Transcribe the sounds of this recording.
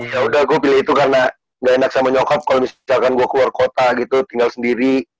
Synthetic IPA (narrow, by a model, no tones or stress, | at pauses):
jaudahɡuapilɛhit̪ukarəna | ŋɡaenak̚samaɲɔkɔp̚kalomissalkanɡuakəluarkot̪aɡit̪ut̪iŋɡalsəndiɾi